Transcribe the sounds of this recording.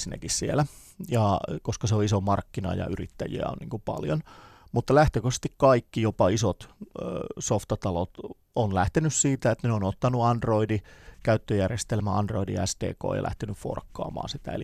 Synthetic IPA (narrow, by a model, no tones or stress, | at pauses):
sinæ̰kissielæ | jɑkoskɑseoisomɑrkːinɑ̰jɑ̰yrit̪ːæjḭæ̰o̰nniːŋkupɑ̰ljonmut̪ːɑlæht̪økosst̪ikkɑikːijopɑisot̪ː | soft̪ɑt̪ɑlot̪ | onlæht̪enyssiːt̪æet̪ːneonot̪ːɑnuɑndroidikæyt̪ːøjærjest̪elmæɑnd̥roidḭæst̪ḛːko̰ːjɑ̰lʔæ̰ht̪enyffo̰rkːɑ̰ːmɑ̰ːnsit̪æ̰ḛli